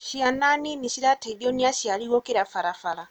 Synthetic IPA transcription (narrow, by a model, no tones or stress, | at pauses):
ʃiananiniʃiɾatʰɛɗiɔniaʃialiwɔkɛɾafaɾafaɾa